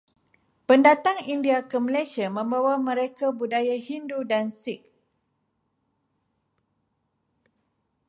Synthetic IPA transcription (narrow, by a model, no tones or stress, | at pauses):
pəndat̪aŋindiakəməlesiamə̃mbawamə̃ɾekabudajahindudansɪk̚